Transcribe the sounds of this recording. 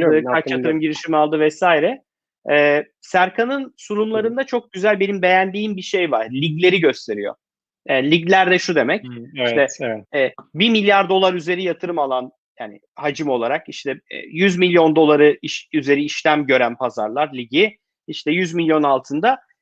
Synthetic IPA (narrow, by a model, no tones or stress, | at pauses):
ɯaɾt͡ʃat̪ʰɯɾɯmɟiɾiʃimalˠd̪ɯvɛsaːiɾɛ | ɛː | sæɾkʰanɯnsuɾumlˠaɾɯnd̪at͡ʃʰo̞k̚ɟyzælʲbe̞nimbe̞jænd̪iːmbiʃe̞jvaɾ̥lʲiɟlʲe̞ɾiɟø̞st̪ʰe̞ɾḭjo̰ | ɛːlʲiɟlʲæɾd̪ɛʃud̪e̞mɛciʃt̪ɛɛːbimilʲjaɾd̪o̞lˠaɾyze̞ɾijat̪ʰɯɾɯmalˠan | jaːnɪ̰ | had͡ʒɯmo̞lˠaɾakiʃt̪ʰɛ̰jyzmilʲjo̞nd̪o̞lˠaɾɯiʃyze̞ɾiiʃlʲæmɟø̞ɾænpʰaza̰ɾlˠaɾlʲiɟi | iʃt̪ʰɛjyzmilʲjo̞nalˠt̪ʰɯnd̪a